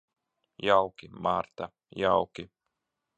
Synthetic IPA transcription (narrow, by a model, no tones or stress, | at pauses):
jawkʲimaɾt̪a | jawkʲi